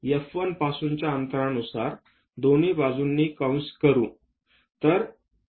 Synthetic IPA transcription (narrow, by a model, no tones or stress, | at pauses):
jəfʋənpasuɲt͡ɕjaənt̪əɾãnusaɾ | d̪oniːbad͡zunːiːkaw̃skəɾṵː | t̪əɾ